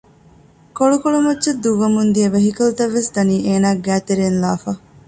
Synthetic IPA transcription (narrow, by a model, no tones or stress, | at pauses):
koɭukoɭumɐtːt͡ʃɐd̪ːuʋɐmund̪iɐʋɐɦikɐlut̪ɐʋːesd̪ɐniːʔeːnaːɡæːt̪eɾeːnlaːfɐ